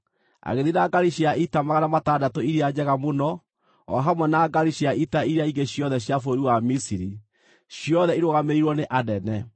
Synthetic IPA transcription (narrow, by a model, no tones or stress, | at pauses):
a̰ɣeðinaɡaɾiɕiaʔitamaɣanamataːdatoiɾiad͡ʑɛɣamonɔ | ɔ̰ɦamwɛnaːɡaɾiɕiaʔitaiɾiaiɡeɕjɔðɛɕjafoɾiwamisiɾi | ɕjɔðɛiɾoɣameiɾwɔneʔadɛnɛ